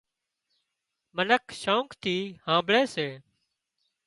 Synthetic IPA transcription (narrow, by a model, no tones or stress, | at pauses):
mənəkʰʃõːŋkt̪ʰiːhãːmbɭeːseː